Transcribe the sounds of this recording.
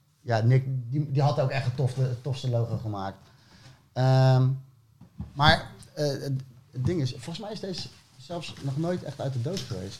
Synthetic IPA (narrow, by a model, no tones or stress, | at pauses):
janɪk̚didiɦɑtowkɛχtətɔftətɔfstəlowχəχəmaːk̚t | əm | maːɹəəət̚dɪŋɪsfɔlˠənsmɛjɪsdes | zɛlˠfsnɔχnojtɛ̰χtœɥt̚dədowtχəʋḛjst